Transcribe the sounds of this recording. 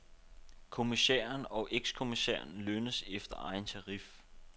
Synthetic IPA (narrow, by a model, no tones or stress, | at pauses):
kʰo̝miseːɐnɒ̽ʔeɡ̥skʰo̝misḛːɐn̩lønəsefd̥ɐɑ̈ɪnt͡sʰɑ̈ʁif